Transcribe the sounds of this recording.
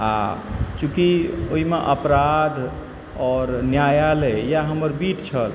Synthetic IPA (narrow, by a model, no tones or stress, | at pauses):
a̰t͡ʃũkioimeʔəpɾad̪ʱ | ɔɾnjajalejaɦəməɾbiʈt͡ʃʰəl